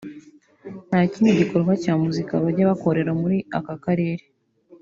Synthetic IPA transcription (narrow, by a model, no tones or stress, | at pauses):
n̥haːcineɟiko̞ɾɡacaːmuzikaβaɾɟaβako̞ɾe̞ɾamuɾiakakaɾe̞ːɾe